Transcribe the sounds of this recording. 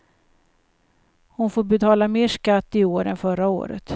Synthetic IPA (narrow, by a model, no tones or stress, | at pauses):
hʊnfoːɾbɛt̪ʰɑːlameːʂkat̪ːɪoːɾɛnfœɾao̰ːɾə̰t̪